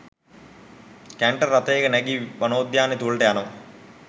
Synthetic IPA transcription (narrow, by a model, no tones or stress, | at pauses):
keɳʈɐrɐt̪ːeːɡɐneɡiʋɐnoːd̪jaːnit̪uɭʈeɐnɐ